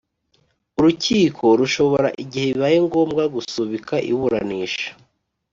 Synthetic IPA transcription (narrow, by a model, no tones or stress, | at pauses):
uɾuciːkʰo̞ɾuʃo̞βo̞ɾaʔiɟihe̞iβajeŋɡo̞ːmɡaɡusuβikʰaʔḭβuɾa̰niːʃḁ